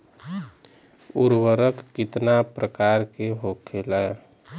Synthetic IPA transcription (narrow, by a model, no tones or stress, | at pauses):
uɾwəɾəkːit̪napɾəkaɾkeɦokʰelɛj